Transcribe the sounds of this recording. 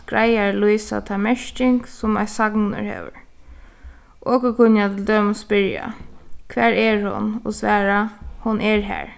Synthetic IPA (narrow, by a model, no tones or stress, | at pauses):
ɡɹajaɹluiːsa̰t̪ʰamɛʃt͡ʃɪŋksʊmasaknə̰ɹhḛːʋə̰ɹ | ʔoːkəkʰʊnjat̪ʰɪld̪œːməspɪɹja̰kʰʋæːɹɛɹhʊ̰nɔ̰sʋæːɹahʊnʔɛɹɦæ̰ːɹ